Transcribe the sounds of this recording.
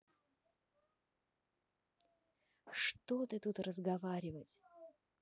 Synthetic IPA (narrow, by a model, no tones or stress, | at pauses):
ʂt̪ot̪ɨt̪ut̪rəzɡɐvaɾʲɪvətʲ